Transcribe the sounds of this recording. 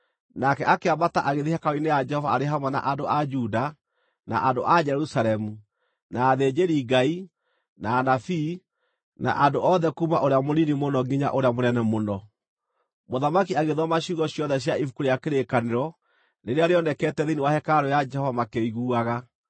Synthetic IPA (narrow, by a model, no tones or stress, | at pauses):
nakɛʔakeabataʔaɣeðihakaoinejad͡ʒɛhɔvaaɾeɦamwɛna̰ʔandoʔad͡ʒuda | na̰ʔandoʔad͡ʒɛɾusalɛmu | naːðed͡ʒeɾiɡai | naːnafi | na̰ʔandoʔɔðɛkuːmaʔoɾeamoninimonɔɡiɲa̰ʔoɾeamonɛnɛmonɔ | moðamakiaɣeðɔmaɕuɣɔɕjɔðɛɕ̬jaifu̥kuɾeakeɾekaneɾɔ | neɾeaɾeɔnɛkɛtɛðiniwahɛkaɾɔjad͡ʒɛhɔvamakeiɣuːaɣa